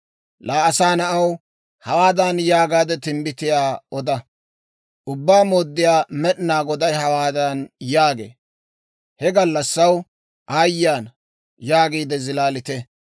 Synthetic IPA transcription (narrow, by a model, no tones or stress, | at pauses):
laːʔɐsaːnɐʔɐw | hɐwaːd̪ɐnjaːɡaːd̪ɛt̪ɪmbɪt̪ɪjaːɔd̪ɐ | ʔʊbːaːmoːd̪ːɪjaːmɛɗɪnaːɡɔd̪ɐjhɐwaːd̪ɐnjaːɡḛː | hɛɡɐlːɐsːɐw | ʔaːjːaːn | jaːɡiːd̪ɛzɪlaːlɪt̪ɛ